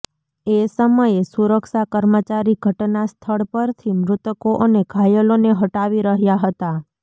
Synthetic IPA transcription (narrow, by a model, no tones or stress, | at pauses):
esəməjesuɾəkʃakəɾmət͡ʃaɾiɡʱəʈnast̪ʰəɭpəɾt̪ʰimɾʊt̪koʔəneɡʱajəloneɦəʈaʋiɾəɦjaɦət̪a